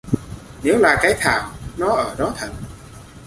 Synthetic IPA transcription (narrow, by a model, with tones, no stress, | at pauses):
ne˨˦wlaː˨˩kaː˨˦jt̪ʰa̰ː˧˩wnɔ˨˦ʔəː˧˩ɗɔ˨˦t̪ʰə˨˩n̚